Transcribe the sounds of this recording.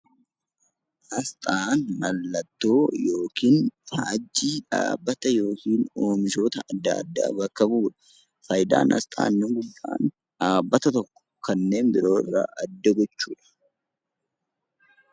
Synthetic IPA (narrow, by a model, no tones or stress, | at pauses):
ʔɐst̪ʼaːnmɐlːɐt̪ːo̞ːjo̞ːkiːnfaːd͡ʒːiːᶑa̰ːbːɐt̪ɐjo̞ːkiːnoːmɪso̞ːt̪ɐʔɐd̪ːɐ̰ɐ̰d̪ːa̰ːbɐkːɐbuːᶑɐ̥ | fɐjd̪a̰ːnʔɐ̰st̪ʼa̰ːnːɪŋɡʊdːa̰ːn | ᶑaːbːɐt̪ɐt̪ɔkːɔ̥kɐnːe̞ːmbɪɾo̞ːɪ̰rːa̰ːʔɐd̪ːɐɡɔt͡ʃːuːᶑɐ̥